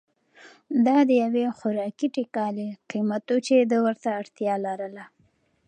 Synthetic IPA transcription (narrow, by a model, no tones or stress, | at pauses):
d̪ɑd̪əjawexʊɾɑkiʈekɑleqimat̪ot͡ʃed̪əwəɾt̪aːɽt̪jɑlaɾəla